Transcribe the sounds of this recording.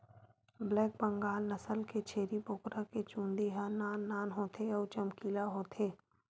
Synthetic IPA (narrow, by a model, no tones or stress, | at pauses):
blɛːk̚bə̃ŋɡaːlnəsəlket͡ʃʰeːɾipoːkɾaket͡ʃũːnd̪iɦanaːnːaːnɦoːt̪ʰeɔːɾt͡ʃəmkiːlaɦoːt̪ʰeː